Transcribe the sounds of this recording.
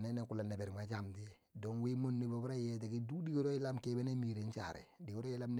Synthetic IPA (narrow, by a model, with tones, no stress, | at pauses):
ne˦ne˨ku˨la˨ne˨be˨ɾma˨t͡ʃa˨mti˦˨ | do˦ŋwi˦mo˦nːi˨bo˨bɾa˦je˦te˨ki˦du˦di˦ɡo˦ɾo˦ji˦la˦mke˦be˦ne˦mi˨ɾe˨˦n˦t͡ʃa̰˨ɾḛ˨di˨wu˦ɾo˦je˦la˦mn˦